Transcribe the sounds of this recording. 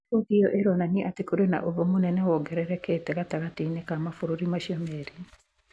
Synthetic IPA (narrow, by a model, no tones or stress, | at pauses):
okejɔʔeɾɔnanieʔatekoɾena̰ʔoðomonɛnɛwɔɡɛɾɛɾɛkeːtɛɣataɣatinekamafoɾoɾimaɕiɔmɛɾi